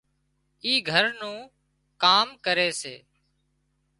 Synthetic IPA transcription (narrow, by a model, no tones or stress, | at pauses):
iːɡʱəɾnũː | kaːmkəɾeːsḛː